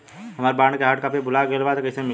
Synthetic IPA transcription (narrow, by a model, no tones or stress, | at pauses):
ɦɐmaːɾbãːɳkeɦaːʈkaːpebʊlaɡelʋat̪ekɐsemɪ